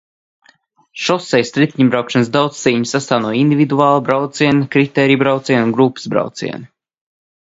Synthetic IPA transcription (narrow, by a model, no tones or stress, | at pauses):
ʃɔsɛjst̪ɾit̪ʲːiɲbɾawkʃans̬d̪awt̪st̪ːiːɲisast̪aːwnuɔind̪ʲivid̪uaːlˠabɾawt̪siɛnikɾit̪ɛːɾijbɾawt̪siɛnunɡɾupɨ̥sbɾa̰wt̪sḭɛni